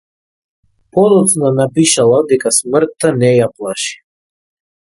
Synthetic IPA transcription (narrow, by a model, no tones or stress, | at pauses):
pɔd̪ɔt̪snanapiʃalˠad̪ɛkasmr̩t̪ːanɛjaplˠaʃi̥